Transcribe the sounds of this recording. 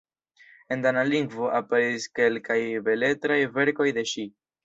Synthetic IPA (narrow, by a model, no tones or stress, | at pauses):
e̞ndanaliŋɡvo̞ʔape̞ɾiske̞lkajbe̞le̞tɾajve̞ɾko̞jde̞ʃi